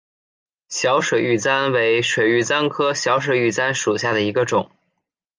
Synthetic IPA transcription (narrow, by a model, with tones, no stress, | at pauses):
ɕjɑ˧˥ʊʂwe˨˩ɪy˥˩t͡sa˥nwe˧˥ɪʂwe˨˩ɪy˥˩t͡sa˥nkʰɤ˥ɕjɑ˧˥ʊʂ̬we˨˩ɪy˥˩t͡sa˥nʂu˨˩ɕja˥˩d̪ə˩i˧˥ɡə˧ʈ͡ʂʊ˨˩˦ŋ